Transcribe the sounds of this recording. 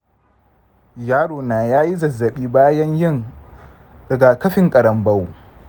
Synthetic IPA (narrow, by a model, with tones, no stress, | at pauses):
jaː˦ɽoː˨naː˨jaː˦ji˦zɐ˨zːɐ˨ɓiː˦baː˦jɐ˦ɲjɪ˦ŋ | dɐ˨ɡa˨kɐ˦ɸɪ˨ŋkʼɐ˨ɽɐ˨mbɐ˦w